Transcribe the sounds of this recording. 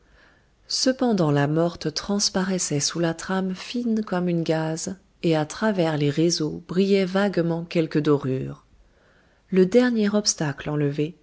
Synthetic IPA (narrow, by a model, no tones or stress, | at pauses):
səpɑ̃d̪ɑ̃lamɔʁt̪t̪χɑ̃spaʁɛsɛsulat̪χamfinkɔmynɡaz | eat̪χavɛʁleʁezobʁijɛvaɡmɑ̃kʲɛlkəd̪ɔʁyːʁ | ləd̪ɛʁnjɛʁɔpst̪aklɑ̃ləve